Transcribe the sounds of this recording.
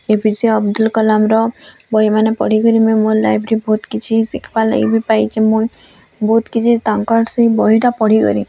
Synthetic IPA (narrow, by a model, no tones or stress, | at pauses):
ebisiɔbd̪ulkɔlamɾɔbɔimanepɔ̰ɽ̤ikɔɾimemolajbʱɾibʱot̪kit͡ʃʰisikʰbalḛbipajd͡ʒemũj | bʱoːt̪kit͡ʃʰit̪aŋkɔɽsibɔɦiʈapɔɽ̤ikɔ̰ɾi